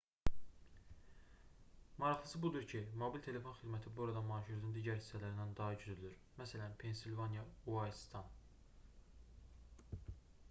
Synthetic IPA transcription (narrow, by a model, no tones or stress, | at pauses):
mɑɾɑχɑsɯbud̪uɾcʰimobilʲt̪ʰe̞le̞fo̞nxid̪mæt̪ʰibuoɾɑd̪ɑmɑːʃɯɾnɯnd̪iːɟæɾhi̥sːælæɾind̪ænd̪ɑɦɑɟyzylyɾ | mæsælænpʰe̞nsilvɑnjɑuɑjst̪ʰɑn